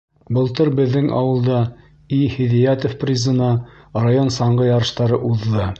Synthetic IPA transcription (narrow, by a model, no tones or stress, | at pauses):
bɤ̆lˠt̪ɤɾbɘ̆ðːɘŋʔɑ̰wɤ̆lˠd̪ɑ | ihiðijat̪ofprʲizə̆nɑ | rajonsɑɴɢɤjɑɾɤ̆ʃt̪ɑɾɤʔuðːɤ